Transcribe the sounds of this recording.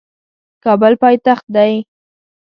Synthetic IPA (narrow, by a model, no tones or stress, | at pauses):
kɑbəlpɑjt̪axt̪̚d̪aj